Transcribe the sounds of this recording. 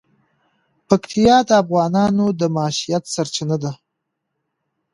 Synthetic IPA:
pakt̪ʰijɑd̪əafɣɑːnɑnod̪əmɑːʃijat̪saɾt͡ʃanad̪a

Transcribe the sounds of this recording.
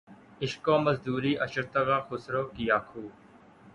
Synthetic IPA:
ɪʃkoːməzd̪uːɾiːʔəʃəɾt̪əɣaːxʊsɾoːkijaːkʰuː

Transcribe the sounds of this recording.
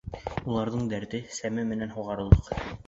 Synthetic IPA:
ulˠɑɾðɤɴd̪æɾt̪ɘsæmɘmɘ̆nænɦuʁɑɾɤ̆lˠɤq

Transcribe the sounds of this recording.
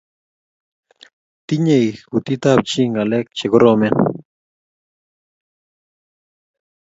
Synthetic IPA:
t̪iɲejxɡut̪it̪ap̚t͡ʃiŋɡalek̚t͡ʃeɡoɾomen

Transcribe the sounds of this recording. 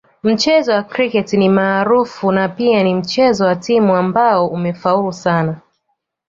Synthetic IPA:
m̩t͡ʃɛzɔwakɾikɛtinimaːɾufunapianim̩t͡ʃɛzɔwatimuambaɔʔumɛfaulusana

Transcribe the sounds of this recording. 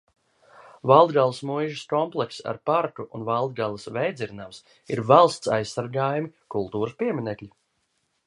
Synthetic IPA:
valˠd̪ɡalˠasmujʒaskɔmplˠɛksa̰ɾpaɾt̪uʔunvalˠd̪̚ɡalˠasvɛjd̪zʲiɾnams | iɾvalˠst̪sajsːaɾɡaːjumikulˠt̪uːɾɨspiɛmʲinɛklʲi

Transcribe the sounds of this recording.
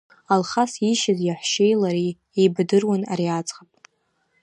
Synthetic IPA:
alχasiʃazjaħʷʃejlaɾi | ejbdɨrwana̰ɾiat͡sʼχapʼ

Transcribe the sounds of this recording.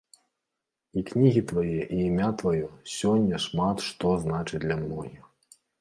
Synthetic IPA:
iknʲiɣʲit̪vajɛʔiːmʲat̪vajɔsʲɔnʲːɐʂmat̪ʂt̪ɔznat͡ʂɨt͡sʲd̪lʲɐmnɔ̰jɐ

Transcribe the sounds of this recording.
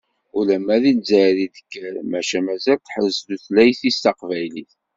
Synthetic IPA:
ulæmæðinzæɾiðə̥kːəɾmæʃæmæzælt̪ːħəzːd̪uθlæjθist̪ɑqvæjliθ

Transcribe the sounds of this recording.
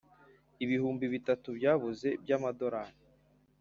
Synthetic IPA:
iβihuːmbiβitatubɟaːβuze̞bjamado̞ɾani

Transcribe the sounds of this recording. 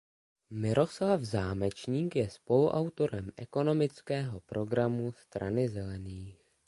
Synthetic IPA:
mɪɾʔo̞slavzaːmɛt͡ʃɲiːkjɛspo̞luʔawt̪o̞ɾɛmʔɛko̞no̞mɪt͡skɛːɦo̞pɾo̞ɡɾamust̪ɾa̰nɪzɛlɛniːx

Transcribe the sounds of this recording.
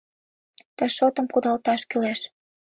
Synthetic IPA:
t̪ə̆ʃot̪ə̆mkud̪ɑlt̪ɑʃkylæʃ

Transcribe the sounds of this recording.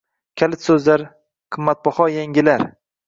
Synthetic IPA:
kʲʰalɪt̪sɵzlaɾ | qʰɨmːat̪̚bɒhɒjaŋɡʲɪlaɾ

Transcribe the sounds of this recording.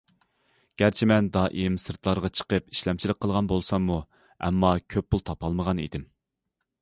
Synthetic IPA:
ɡ̥ʲæɾt͡ʃʰimɛnd̪ɑʔemsɨɾt̪ʰlˠɑɾʁɑt͡ʃʰə̥qəpi̥ʃlɛmt͡ʃʰilˠəqʰːəlˠʁɑnbolˠsɑŋːu | ɛ̰mːɑkʲʰøpːulˠt̪ʰɑpʰɑlˠməʁɑnḭd̪ɪm

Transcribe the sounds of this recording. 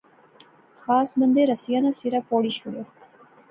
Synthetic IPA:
xɑːsbɐnd̪eɾasijanasiɾapoɽiɕuɽe

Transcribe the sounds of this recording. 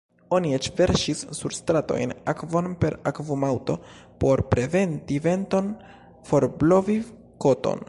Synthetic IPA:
o̞niet͡ʃve̞ɾʃisːuɾstɾato̞̰jnakvo̞npe̞ɾakvomawto̞po̞ɾpɾe̞ve̞ntive̞nto̞n | fo̞ɾblo̞vi | ko̞to̰n

